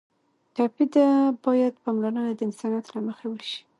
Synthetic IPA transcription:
t̪ɑpid̪abɑjad̪̚pɑmlanənad̪əɪnsɑnjɑt̪laməxawəʃi̥

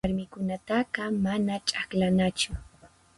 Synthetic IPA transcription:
ɾmɪkʊnat̪aɢɑmanat͡ʃʼaklanat͡ʃʊ

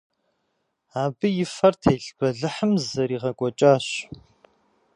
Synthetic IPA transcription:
aːbɨjɪfɐrtʰeːɬb̥ɐɮɨħəmzɐɾiːʁɐkʷʼɔt͡ʃʼaːɕ

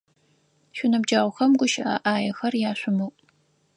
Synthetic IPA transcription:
ʃʷʊnɐbd͡ʒaːʁʷʊxɐmɡʷʊʃɪʔɐ̰ʔaːjɐxɐrjaːɕʷʊmuː

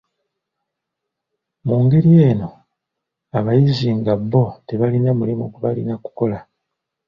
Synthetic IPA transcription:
muːŋɡe̞ɾije̞ːno̞ | aβajiziŋɡabːo̞te̞βalinamulimukuβalinaku̥ko̞la

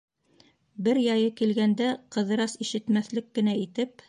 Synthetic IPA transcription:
bɘɾjɑjɤkilɡænd̪æqɤ̆ðɤ̆ɾɑsiʃɘ̆t̪mæθlɘkːɘ̆næit̪ɘp

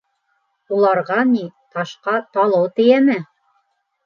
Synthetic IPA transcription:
ulˠɑɾʁɑnit̪ɑʃqɑt̪ɑlˠɤwt̪ɘ̆jænɘ

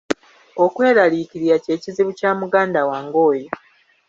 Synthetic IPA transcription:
okwe̞ːɾaliːciɾijace̞ːciziβucaːmuɡaːndawaːŋɡo̞ːjo

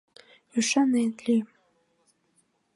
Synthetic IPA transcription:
yʃanenlim

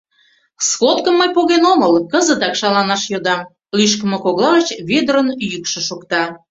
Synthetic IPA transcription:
sxot̪kəmːəjpoɣenoməlkəzət̪ɑkʃɑlɑnɑʃjod̪ɑm | lyʃkə̆məkoɣlɑɣət͡ɕβed̪əɾənyjykʃə̆ʃukt̪ɑ

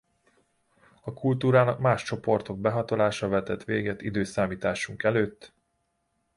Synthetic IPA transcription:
ɒkult̪uːɾaːnɒkmaːʃt͡ʃo̞po̞rt̪o̞ɡ̚bɛɦɒt̪o̞laːʃɒvɛt̪ɛt̪ʋeːɡɛt̪ːid̪øːsaːmiːt̪aːʃuŋkɛløːt̪ː

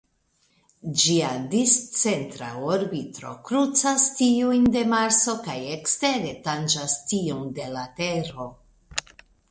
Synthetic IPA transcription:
d͡ʒiadist͡se̞ntɾa̰oɾbitɾo̞̰kɾut͡sastiujnde̞maɾso̞kaje̞kste̞ɾe̞tand͡ʒastionde̞late̞ɾo̞

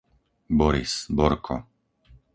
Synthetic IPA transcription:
bɔɾḭsbɔɾkʰɔ̰

